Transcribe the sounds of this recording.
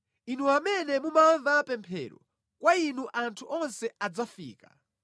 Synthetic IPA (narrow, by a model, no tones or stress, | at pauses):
inuamɛnɛmumaɱvapɛmpʰɛ̰ːɾɔ̰ | kwainuʔantʰuʔɔnsɛad͡zafiːka